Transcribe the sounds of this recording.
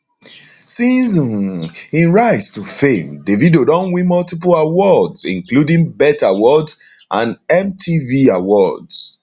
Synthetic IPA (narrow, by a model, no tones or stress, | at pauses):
sizɔ̃nĩnɹaɪstufẽmdevidodɔ̃nwĩmɔltip̬lawɔdzḭ̃nkludĩŋbɛtawɔdzʔãnɛ̃mtʰiviawɔds